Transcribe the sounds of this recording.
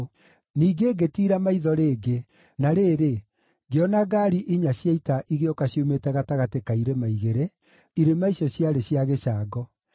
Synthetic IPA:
niːɡeːɡetiːɾamaiðɔɾeːɡe | naɾeːɾe | ɡeɔnaɡaɾiʔiɲaɕjaitaʔiɣeɔkaɕjometɛɣataɣatekaiɾemaiɣeɾe | iɾemaiɕɔɕjaɾeɕjaɣeʃaːɡɔ

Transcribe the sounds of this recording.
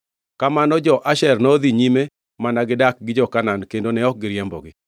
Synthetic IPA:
kamanɔd͡ʒɔʔaʃɛrnɔd̪iɲime | manaɡɪdak̚ɡɪd͡ʒɔkanankendonɛɔk̚ɡɪɾjɛmbɔ̰ɡɪ

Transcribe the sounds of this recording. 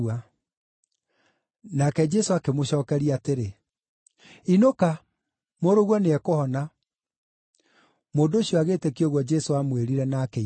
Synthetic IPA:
a | nakɛd͡ʒɛsoakemoɕɔːkɛɾiateɾe | inoka | moɾoɣwɔneɛkohɔna | moːndooɕiɔaɣetekioɣwɔd͡ʒɛsoamweɾiɾɛnake

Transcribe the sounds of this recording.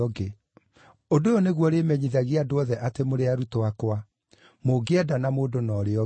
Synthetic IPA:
ɔɡe | odojɔneɣwɔɾemɛɲiðaɣeadoɔðɛʔatemoɾeaɾutoakwa | moɡeɛdanamoːdonɔːɾeɔ

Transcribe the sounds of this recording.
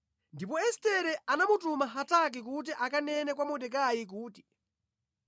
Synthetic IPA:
ndip̬ɔɛstɛɾɛʔanamutumaɦatak̬ik̬ut̬iʔakanɛnɛkwamɔdɛk̬ajik̬uːti̥

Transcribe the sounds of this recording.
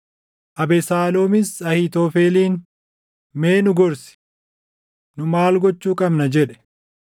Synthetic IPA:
ʔɐbɛsaːloːmɪsɐhɪt̪ɔːfeːliːn | meːnʊɡɔɾsɪ̥ | nʊmaːlɡɔt͡ʃːuːkʼɐbnɐd͡ʒɛᶑɛ̥

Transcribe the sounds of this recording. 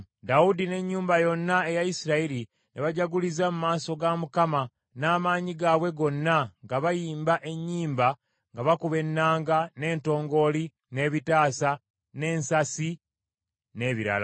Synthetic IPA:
daudine̞ɲːuːmbajo̞nːae̞jajisiɾaiɾi | neβaɟaɡulizamumaːso̞ɡamukama | naːmaːɲiɡaːβwe̞ɡo̞nːaŋɡaβajiːmbaʔe̞ɲːiːmba | ŋɡaβakuβe̞nːaːŋɡane̞ːnto̞ːŋɡo̞li | ne̞ːβitaːsa | ne̞ːnsasi | ne̞ːβiɾa̰la̰

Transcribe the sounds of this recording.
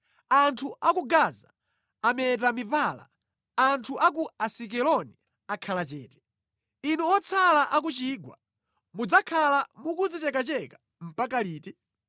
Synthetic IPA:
antʰuʔakuɡazaː | mɛt̬amivala̰ | antʰuʔak̬uasik̬ɛlɔni | akʰalat͡ʃɛːtɛ̥ | inuɔt͡sʰalaʔak̬ut͡ʃiːɡwa̰ | mud͡zakʰalamukud͡zit͡ʃɛkat͡ʃɛka | m̩pakaliːtɛ

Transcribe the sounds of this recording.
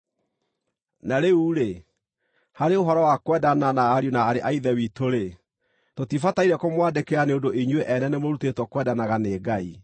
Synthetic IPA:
naɾeuɾe | haɾeoɦɔɾɔwakwɛdananaːɾjonaːɾeʔaiðɛwitoɾe | totifataiɾɛkomwadekeɾaneondoʔeɲweʔɛnɛnemoɾutetwɔkwɛdanaɣaneːɡai

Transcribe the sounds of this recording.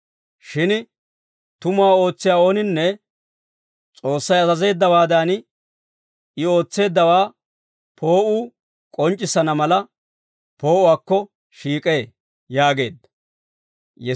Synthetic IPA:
ʃɪn | t̪ʊmʊaːo̞ːt͡sːɪjaːoːnɪnːɛ | t͡sʼo̞ːsːɐjɐzɐze̞ːd̪ːɐwaːd̪aːn | ɪo̞ːt͡sːe̞ːd̪ːɐwaː | pʰo̞ːʔuː | kʼɔnt͡ʃʼːɪsɐnɐmɐlɐ | po̞ːʔʊwaːkːɔ | ʃiːkʼeː | jaːɡe̞ːd̪ːɐ | jɛ

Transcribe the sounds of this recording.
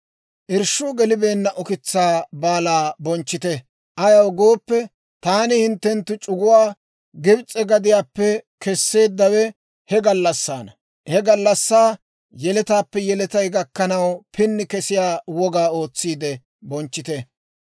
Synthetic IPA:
ʔɪɾʃʊɡɛlɪbe̞ːnːɐʔʊkɪt͡sːaːbaːlaːbɔnt͡ʃːɪt̪ɛ | ʔɐjɐwɡo̞ːpːɛ | t̪aːnɪhɪnt̪ːɛnt̪ːʊt͡ʃʼʊɡʊwaː | ɡɪbt͡sʼːɛɡɐd̪ɪjaːpːɛkɛsːe̞ːd̪ːɐwɛ | hɛɡɐlːɐsːaːnɐ | hɛɡɐlːɐsːaː | jɛlɛt̪aːpːɛjɛlɛt̪ɐjɡɐkːɐnɐwpɪnːɪkɛsɪjaːwɔɡaːo̞ːt͡sːiːd̪ɛ | bɔnt͡ʃːɪt̪ɛ

